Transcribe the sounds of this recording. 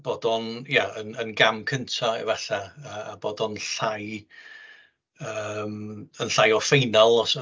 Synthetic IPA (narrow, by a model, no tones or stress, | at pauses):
b̥oːdɔnjaənənɡamkʰəntʰa̰vɛɬaəːaboːdɔnɬaj | əːmənɬajɔfejnalˠɔs